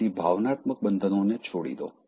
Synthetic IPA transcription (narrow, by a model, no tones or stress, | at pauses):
ibʱaʋnat̪mək̚bənd̪ʱənonet͡ʃʰoɽḭd̪o̰